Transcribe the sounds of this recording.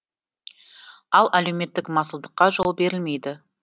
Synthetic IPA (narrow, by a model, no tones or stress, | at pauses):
ɑlˠæle̞wme̞t̪ːɪkmɑsəlˠd̪əqːɑʒo̞lˠbe̞ɾɪlme̞jd̪ɪ